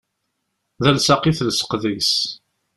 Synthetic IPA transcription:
ðælsaqiθlsə̥qðis

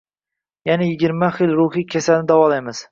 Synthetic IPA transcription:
janajɪɡʲɪɾmaχɪlɾʊhikʲʰasalnɪd̪awɒlajmɪz̥

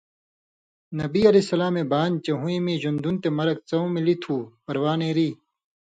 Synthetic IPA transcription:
nɐbiɐlesɐlaːmebaːnt͡ɕɐɦũĩmĩːʑund̪unt̪emɐɾɐk̚t͡sɐũmilit̪ʰuːpɐɾwaːnẽːɾiː

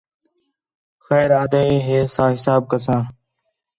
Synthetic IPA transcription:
xɛːɾaːd̪aĩːɦeːsãːɦɪsaːb̚kəsãː

